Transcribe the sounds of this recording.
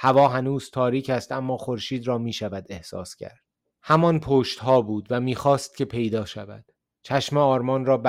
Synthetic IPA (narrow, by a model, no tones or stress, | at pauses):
hævɒːɦænuːz̥t̪ʰɒːɾiːcʰæst̪æmːɒːxoɾʃiːd̪ɾɒːmiːʃævæd̪e̞hsɒ̰ːscʰæ̰ɾd̪̥ | hæmɒnpʰoːʃt̪ɦɒːbuːd̪væmiːxɒːst̪̚cʰʲe̞pʰe̞jd̪ɒːʃævæ̰d̪̥ | t͡ʃʰæʃmeɒːɾmɒːnrɒːb